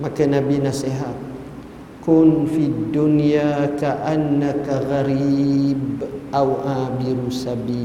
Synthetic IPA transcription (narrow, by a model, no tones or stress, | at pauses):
makənabinaseɦa | kunfid̪ːunjaːkaʔanːakaɣaɾibawʔaːbiɾusabiː